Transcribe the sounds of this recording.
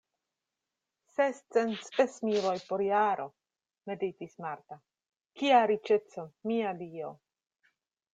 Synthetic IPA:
sest͡senspesmilo̞jpoɾjaɾʔo̞ | medit̪ismaɾt̪a | kiaɾit͡ʃet͡so̞miadio̞

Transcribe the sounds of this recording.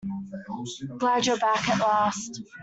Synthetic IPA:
ɡ̥lad͡ʒəbækəʔlast

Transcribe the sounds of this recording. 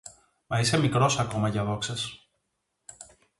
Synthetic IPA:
mɐisemikɾo̞sɐko̞mɐʝɐðo̞kses

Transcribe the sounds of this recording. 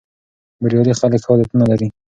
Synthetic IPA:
bɪɾjɑlixaləkhɑd̪at̪unalaɾi

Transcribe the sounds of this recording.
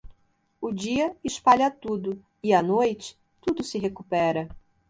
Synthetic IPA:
ʊd͡ʒiɐɪʃpaʎɐt̪ud̪ʊ | ɪɐnojt͡ʃɪ̥ | t̪ud̪ʊsɪɦekupɛɾɐ

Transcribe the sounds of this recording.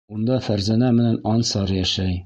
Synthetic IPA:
und̪ɑfæɾzænæmɘ̆nænɒnsɑɾjæʃæj

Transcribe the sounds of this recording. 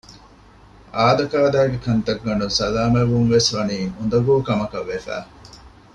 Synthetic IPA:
aːd̪ɐkaːd̪æːɡekɐnt̪ɐɡːɐnusɐlaːmeʋunʋesʋɐniːʔund̪ɐɡuːkɐmɐkɐʋːefæ̰ː

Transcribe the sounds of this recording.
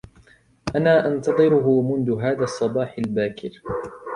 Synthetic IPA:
ʔanaːʔɑnt̪ɑðˤɨɾʊɦʊmʊnðʊɦaːðaːsˤːɑbɑːħalbaːkʰɪ̰ɾ

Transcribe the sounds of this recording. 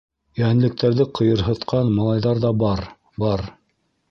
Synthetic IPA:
jæɘ̆nlɘ̆k̚t̪ʰæɾðɘqʰɤ̆jɤ̆ɾɦɤ̆t̪qʰɑnmɑlˠɑjðɑɾðɑbɑɾ | bɑɾ

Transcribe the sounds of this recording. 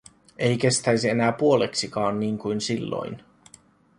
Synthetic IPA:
ejk̟e̞st̪æjs̬ie̞næːpuo̞leksikɑːnːiːŋkujnsilːo̞̰jn

